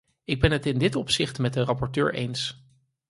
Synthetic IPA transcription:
ɪɡ̚bɛnɦətɪndɪtɔpsɪχtmɛt̚dərɑpɔɹtø̰ːɹʔḛjns

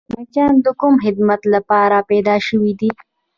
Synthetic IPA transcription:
mat͡ʃɑːnd̪əkʊmxɪd̪mat̪lapɑːɾapɛd̪ɑːʃəwid̪i

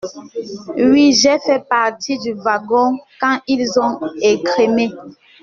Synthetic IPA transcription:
ɥiʒɛfɛpaʁtidyvaɡɔ̃kãilzɔ̃ekʁime

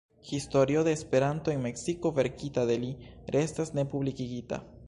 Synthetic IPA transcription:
histo̞ɾio̞de̞ːspe̞ɾanto̞e̞nme̞ksiko̞ve̞ɾkitade̞liɾe̞stasne̞publikiɡita̰

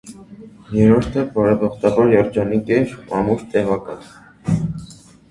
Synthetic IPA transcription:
jɛɾɔɾt̪ʰɛbɑɾɛbɑχt̪ɑvɑɾjɑɾd͡ʒɑnikɛɾmɑ̰muɾt̪ɛvɑkɑt̪ʰ

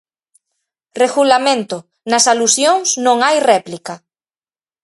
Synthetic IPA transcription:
reɣulamẽnt̪ʊ | nɐsalusjoŋsnõŋajrɛplika

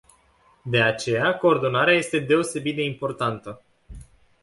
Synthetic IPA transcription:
d̪e̞at͡ʃe̞jako̞ːrd̪o̞naɾeaje̞st̪e̞d̪e̞o̞se̞bit̪̚d̪e̞impo̞rt̪ant̪ə

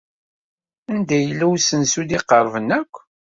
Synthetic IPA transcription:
ænd̪æjəlːæwsənsud̪iqːəɾˤvənːækʷː

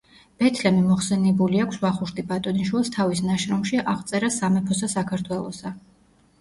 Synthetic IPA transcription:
b̥ɛt̪ʰlɛmimɔχsɛnɛbuliakʷʰsvaχuʃt̪ʼibat̪ʼɔninʃwilˠst̪ʰavisnaʃɾɔmʃiʔaʁt̪sʼɛɾasamɛpʰɔsasakʰaɾt̪ʰwɛlˠɔsa

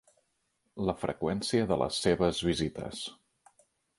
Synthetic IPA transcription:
ləfɾə̰kwɛnsiəðələ̰sːeβəzβizit̪ə̰s

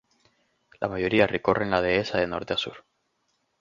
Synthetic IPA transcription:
lʔa̰maʝo̞ɾiareko̞rʔenlað̞e̞esaðeno̞̰ɾt̪easṵɾ

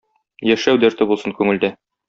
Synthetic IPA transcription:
jæʃæwd̪æɾt̪ɘbulˠsɤŋkʉŋɘ̆ld̪æ

